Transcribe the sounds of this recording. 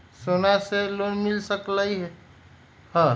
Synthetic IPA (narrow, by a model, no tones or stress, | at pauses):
sonaselonmilsəkləiɦe | hə̃